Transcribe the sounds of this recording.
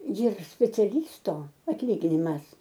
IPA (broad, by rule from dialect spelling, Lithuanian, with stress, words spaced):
jɪr sʲpʲɛt͡sʲɛˈlʲiːstoː ɐtʲˈlʲiːɡʲɪnʲɪmɐs